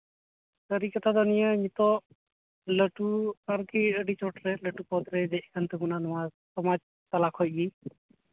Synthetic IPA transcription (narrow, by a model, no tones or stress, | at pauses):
t̪əɾikət̪ad̪ɔnijəɲit̪ɔ | ləʈuəɾkiəɖit͡ʃɔʈɾɛləʈupɔd̪ɾɛd̪ɛc̚kʰant̪əbunanɔma | sɔmad͡ʒ | t̪alakʰhɔc̚ɡi